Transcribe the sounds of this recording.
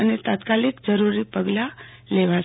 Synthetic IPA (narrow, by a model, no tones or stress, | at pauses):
ənet̪at̪kalikd͡ʒəɾuɾipəɡla | leʋa